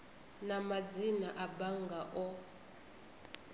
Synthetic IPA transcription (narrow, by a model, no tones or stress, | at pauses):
namad͡zinaʔabaŋɡaʔɔ